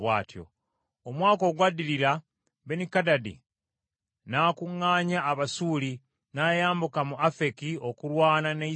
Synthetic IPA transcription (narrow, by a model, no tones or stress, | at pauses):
βwaːtjo̰ | omwaːko̞ːɡwadiliɾa | be̞nikadadḭ | naːkuŋːaːɲaːβasuːli | naːjaːmbukamuʔafe̞kio̞kulwaːnane